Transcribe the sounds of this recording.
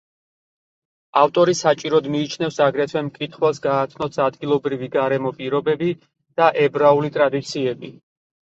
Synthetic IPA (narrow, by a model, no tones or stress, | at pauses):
aft̪ʼɔɾisat͡ʃʼiɾɔd̪miːt͡ʃʰnɛfsaɡɾɛt̪ʰwɛmkʼit̪ʰχwɛlˠsɡaːt̪ʰnɔsad̪ɡilˠɔbɾiviɡaɾɛmɔpʼiɾɔbɛbi | d̪̥aʔɛbɾaulit̪ʼɾad̪it̪sʰiɛbi